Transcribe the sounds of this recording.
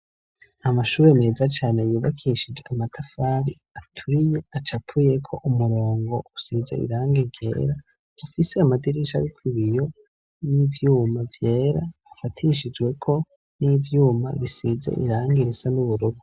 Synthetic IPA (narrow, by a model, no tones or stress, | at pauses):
amaʃuːɾe̞ne̞ːzat͡ʃaːne̞juːβa̰kʰiʃid͡ʒeamatʰafaːɾi | atʰuɾije̞at͡ʃapʰuje̞kʰo̞ʔumuɾo̞ːŋɡo̞usizḛʔḭɾaːŋɡiɡe̞̰ːɾa | dufiseamadiɾiʃa̰ɾikwiβijo̞ | nivjuːmavje̞ːɾaːfatʰiʃid͡ʒwe̞kʰo̞ | nivjuːma̰βisizḛʔḭɾaːŋɡiɾisanuβuɾuɡu